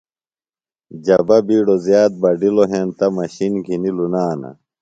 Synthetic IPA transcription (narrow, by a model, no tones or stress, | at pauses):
d͡ʑɐbɐbiːɽozjaːt̪̚bɐɖiloɦeːnt̪ɐmɐɕinkʰinilunaːnɐ̰